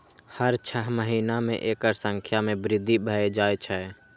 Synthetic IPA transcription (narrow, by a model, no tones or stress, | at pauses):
həɾt͡ʃʰəɦməɦinamḛ̃ʔeːkəɾsə̃ŋkʰjamẽbɾɪd̪ʱːibʱəed͡ʒaːet͡ʃʰɛ